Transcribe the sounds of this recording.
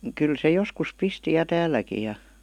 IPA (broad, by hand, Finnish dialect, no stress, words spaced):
kyl se joskus pisti jɑ tæːiˑækij̆ jɑ